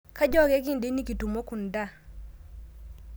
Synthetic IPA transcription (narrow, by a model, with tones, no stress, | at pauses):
ka˦d͡ʒɔ˦ɡɛ˦ki˦ndi˦ni˦ki˨tu˨mo˦ku˨nda˦˨